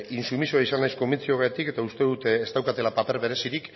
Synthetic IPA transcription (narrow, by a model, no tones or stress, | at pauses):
insumisoaisanːajsko̞mit͡sioɣat̪ike̞t̪aust̪e̞ðut̪eːst̪awkat̪e̞lapape̞ɾβe̞ɾe̞siɾik